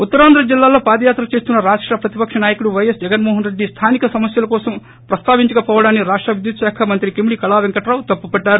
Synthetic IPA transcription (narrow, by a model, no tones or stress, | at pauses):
ut̪ːɐɾaːnd̪ɾɐd͡ʒilːaːlo̞ːpaːd̪ɐjaːt̪ɾɐt͡ʃe̞ːst̪unːɐɾaːʂʈɾɐpɾɐt̪ipɐkʂɐnaːjɐkuɽuʋɐjɐsd͡ʒɛɡɐnmɔːɦɐnɾeɖːist̪ʰaːnikɐsɐmɐsjɐlɐkɔːsɐm | pɾɐst̪aːʋiɲt͡ʃɐkɐpɔːʋɐɽaːnːiɾaːʂʈɾɐʋud̪jut̪ʃaːkʰɐmɐnt̪ɾikimiɽikɐlaːʋeŋkɐʈɾaːwt̪ɐpːupɛɖːaːɾu